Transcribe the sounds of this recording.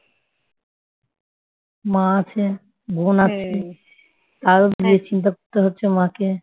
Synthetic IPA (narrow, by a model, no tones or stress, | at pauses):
mãat͡ɕʰe | bʱonat͡ɕʰi | t̪aɾod̪iet͡ɕint̪̬akoɾt̪eɦotːɕʰemãke